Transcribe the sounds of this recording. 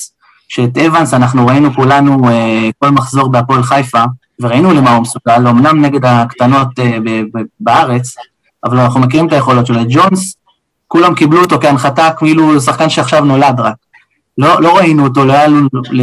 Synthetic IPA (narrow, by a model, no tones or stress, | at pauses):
ʃeːt̪evansanaχnuʁainukulanueko̞lmaχzo̞ʁbeapolχajfa | ve̞ʁainule̞maumesuɡalːo̞mnamne̞ɡe̞d̪akt̪ano̞tebebaaʁe̞t͡s | avalanaχnumek̬iʁimt̪aje̞χo̞lo̞tʃeled͡ʒons | kulamkibluot̪o̞keanχatakfilusaχkanʃeaχʃavno̞lad̪ʁak | lolo̞ʁainuoto̞lojalule